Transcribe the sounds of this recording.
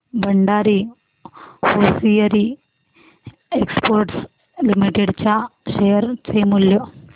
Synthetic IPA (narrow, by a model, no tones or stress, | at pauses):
bɐɳɖaːɾi | hoːsijɐɾi | eksporʈs | limiʈːeɽt͡ɕːaɕejɐrt͡ɕejmuljo